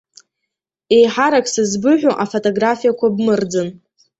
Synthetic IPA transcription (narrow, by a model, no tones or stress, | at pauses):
ejħaɾakʼsɨzbɨʕᶣʷoʔafotʼoɡrafijakʷʰabmɨrd͡zɨn